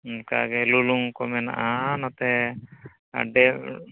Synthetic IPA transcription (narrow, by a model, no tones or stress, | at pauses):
nka̰ɡɛluluŋkɔmɛna̰ʔanat̪ɛ | ɖɛ